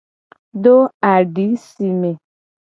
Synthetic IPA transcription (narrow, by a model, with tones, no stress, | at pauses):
do˦a˨ɖi˨˦si˨me˨